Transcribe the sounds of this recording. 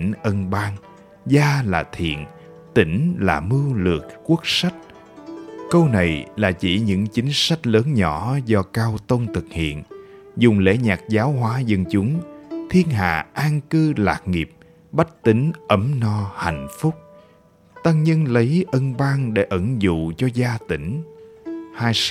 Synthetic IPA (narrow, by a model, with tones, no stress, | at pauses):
nʔə˧nɓaː˧ŋ | zaː˧laː˨˩t̪ʰḭ˧˨ən | t̪ï˨˦ŋ̟laː˨˩mɨ˧lɨ̰˨˩ək̚ku˦˥ək̚sa˦˥jk̚ | kə˧wna˨˩jlaː˨˩t͡ɕḭ˧˩ɲɨ̰˧˥ŋt͡ɕï˨˦ŋ̟sa˦˥jk̚ləː˨˦nɲɔ˧˩zɔ˧kaː˧wt̪o˧nt̪ʰɨ˨˩k̚hḭ˧˨ənzʊ˨˩ŋ͡mlḛ˧˥ɲaː˨˩k̚zaː˨˦wɦwaː˨˦zə˧nt͡ɕʊ˨˦ŋ͡mt̪ʰi˧ənɦa̰ː˧˨ʔaː˧ŋkɨ˧la̰ː˨˩k̚ŋi˨˩əp̚ | ɓa˦˥k̚t̪ï˨˦ŋ̟ʔə˨˦mnɔ˧ha̰˧˨jŋ̟fʊ˦˥k͡p̚ | t̪aː˧ŋɲə˧nlə˨˦jʔə˧nɓaː˧ŋɗe˧˩˦ʔə˧˩ŋzṵ˧˨t͡ɕɔ˧zaː˧t̪ï˧˩ŋ̟ | haː˧j